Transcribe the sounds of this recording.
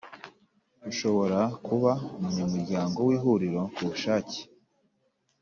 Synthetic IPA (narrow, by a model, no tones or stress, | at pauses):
uʃo̞βo̞ɾakuβaumuɲumuɾɟaːŋɡo̞wiːɦuɾiɾo̞kuβuʃaːci̥